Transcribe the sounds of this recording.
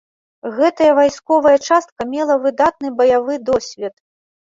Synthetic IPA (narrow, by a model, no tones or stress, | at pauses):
ɣɛt̪ɐjɐvajskɔvɐjɐt͡ʂast̪̚kɐmʲɛlˠɐvɨd̪at̪̚nɨbɐjavɨd̪ɔsʲvʲɛt̪